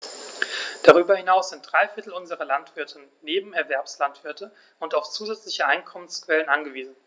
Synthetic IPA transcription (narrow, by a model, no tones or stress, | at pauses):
d̥aʁ̞yːbɐhɪnaʊsz̥ɪnt̚d̥ʁaɪfɪɐtl̩ʊnzəʁɐlantv̥ɪɐtʰnːeːbm̩ɛɐvɛɐpslantv̥ɪɐtʰə | ʊntaʊft͡suːzɛt͡slɪçəʔaɪnkʰɔmənskv̥ɛlənʔanɡəviːzn̩